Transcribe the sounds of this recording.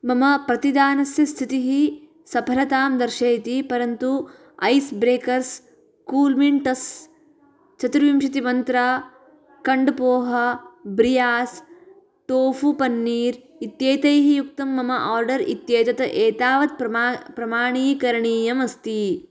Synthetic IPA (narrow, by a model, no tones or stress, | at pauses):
mɐmɐpɾɐt̪id̪aːnɐsjɐst̪ʰit̪iɦi | sɐpʰɐɾɐt̪aːmd̪ɐɾʃɐjt̪ipɐɾɐnt̪u | ɐjsbɾeːkɐɾs | kuːlmiɳʈɐs | t͡ʃɐt̪ɾʋimʃɐt̪imɐnt̪ɾa | kɐɳɖpoːɦɐbɾijaːs | ʈoːfupɐnːiːɾ | it̪jeːt̪ɐjɦijuk̚t̪ɐmːɐmɐʔaːɾɖɐɾit̪jeːt̪ɐt̪ɐʔeːt̪aːʋɐt̪̚pɾɐpɾɐmaːɳiːkɐɾɐɳiːjɐmɐst̪i